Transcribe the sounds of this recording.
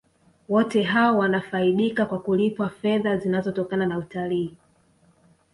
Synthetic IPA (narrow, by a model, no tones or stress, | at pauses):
wɔtɛɦaɔwanafaiɗikakwakulipwafɛðazinazɔtɔkananautaliː